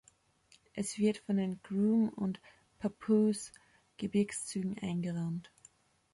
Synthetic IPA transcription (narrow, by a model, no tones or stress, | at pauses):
ʔɛsv̥ɪɐtfɔndeːnɡ̥ʁuːmʊ̰nt | pʰapʰus | ɡ̥əbɪɐkst͡syːɡŋ̩ʔa̰ɪnɡəʁant